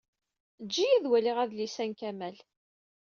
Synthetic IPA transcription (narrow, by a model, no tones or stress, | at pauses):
d͡ʒːijæðwæliʁæðlisænkæmæl